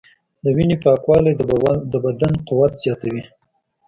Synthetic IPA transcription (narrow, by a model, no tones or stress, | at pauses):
d̪əwinepɑkwɑled̪əbad̪anqʊwat̪z̥jɑt̪awi